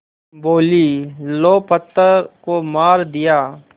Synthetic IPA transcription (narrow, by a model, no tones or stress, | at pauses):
boːliːloːpət̪ːəɾkomaːɾd̪ɪjaː